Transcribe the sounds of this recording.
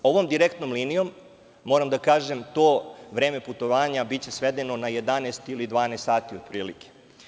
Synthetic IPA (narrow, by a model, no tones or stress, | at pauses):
o̞ʋo̞md̪iɾekt̪no̞mliːnijo̞mː | o̞ːɾamd̪akaːʒemt̪oːʋɾe̞ːme̞put̪o̞ʋaːɲabitt͡ɕe̞sʋed̪e̞no̞naje̞d̪anest̪ilid̪ʋaːnest̪saːt̪iod̪̚pɾiːlike̥